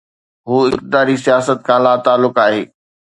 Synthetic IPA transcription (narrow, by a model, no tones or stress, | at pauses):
ɦuːɪkt̪ɪd̪aːɾisijaːsət̪̚kʰãːlaːt̪aːlːʊkaːɦeː